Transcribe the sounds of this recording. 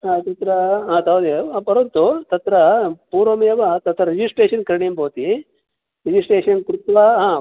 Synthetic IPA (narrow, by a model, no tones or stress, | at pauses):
ɦaːt̪ɐt̪ɾɐɦaːt̪ɐʋd̪epɐɾont̪ut̪ɐt̪ɾɐpuːɾʋɐmɐjɐʋɐt̪ɐt̪ɾɐɾid͡ʒisʈeːʃɐnkɐɾɳimbʱoːt̪i | ɾid͡ʒisʈeːʂɐnkuɾut̪ʋaɦaː